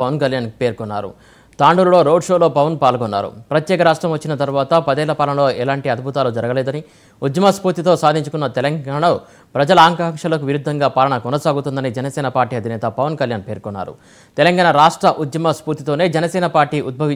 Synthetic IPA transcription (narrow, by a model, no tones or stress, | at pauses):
ɐʋɐnkɐljaːnpe̞ːɾkɔnːa̰ːɾṵ | t̪aːɳɖuɾulo̞ːɾo̞ːɖʂo̞ːloːpɐʋɐnpaːlɡɔnːa̰ːɾṵpɾɐt̪jɛːkɐɾaːʂʈɾɐmʋɐt͡ʃːinɐt̪ɐɾuʋaːt̪ɐpɐd̪ɛːlɐpaːlɐnɐlo̞ːʔɛlaːɳʈiɐd̪̚bʱut̪aːlud͡ʒɐɾɐɡɐlɛːd̪ɐni | ud̪jɐmaspuːɾt̪it̪oːsaːd̪ʱiɲt͡ʃukunːɐt̪ɛlɐŋɡaːɳɐo | pɾɐd͡ʒɐlɐaːŋkamʂɐlok̬uʋiɾud̪ʱːɐŋɡaːpaːlɐɳɐkɔnɐsaːɡut̪und̪ɐnid͡ʒɛnɐsɛːnɐpaːɾʈːiːɐd̪ʱinɛːt̪ɐpɐʋɐnkɐljaːnpeːɾkɔnːa̰ːɾṵ | t̪ɛlɐŋɡaːɳɐɾaːʂʈɾɐʔud̪jɐmɐspuːɾt̪it̪o̞ːne̞ːd͡ʒɛnɐsɛːnɐpaːɾʈiːʔud̪̚bʱɐʋi